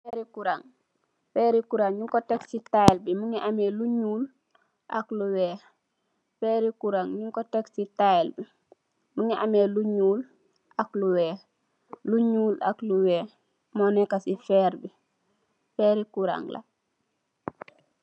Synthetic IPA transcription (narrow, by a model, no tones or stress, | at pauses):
feɾikuɾaŋ | feːɾikuɾaŋɲuŋkoteksitaelbimuŋiʔameːluɲuːl | ʔa̰kluweː | feːɾikuɾaŋɲuŋkoteksitaelbi | muŋiʔameːluɲuːl | akluweː | luɲuːla̰kluweː | monekasifeːɾbi | feːɾikuɾa̰ŋla̰